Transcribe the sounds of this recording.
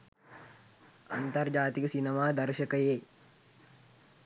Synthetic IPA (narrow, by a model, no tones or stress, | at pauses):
a̰nt̪ɐrd͡ʒaːt̪ikəsinemaːd̪ɐɾʃɐkəje